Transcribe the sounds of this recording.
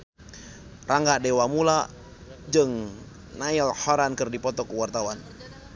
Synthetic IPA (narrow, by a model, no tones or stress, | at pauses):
rʔaŋɡadewamula | d͡ʒəŋ | naɪlhɔɾankərdipɔt̪ɔkəwart̪awan